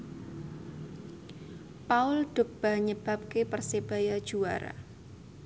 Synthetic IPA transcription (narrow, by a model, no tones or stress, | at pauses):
paʊld̥ʊ̤k̚b̥a̤ɲəb̥a̤p̚kepərseb̥ajad̥ʒ̥ua̰ɾa̰